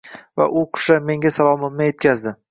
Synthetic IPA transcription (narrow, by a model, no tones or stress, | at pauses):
va̰ʔʊqʰʊ̥ʃame̞ŋʲasalˠɒmɪmnɪje̞t̪̚kʲʰazd̪ɪ